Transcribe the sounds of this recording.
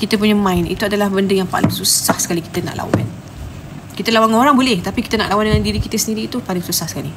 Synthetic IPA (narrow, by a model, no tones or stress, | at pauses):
kit̪əp̬uɲamãɪnḭt̪uadalahbəndəjaŋpa̰lɪ̰ŋsusahsə̥kaliki̥t̪əna̰ʔla̰wa̰n | kit̪əlawaŋoɾaŋbolɛht̪apikit̪əna̰ʔlawandəŋãndiɾikit̪əsəndiɾiːt̪upalɪŋsusahsə̥kali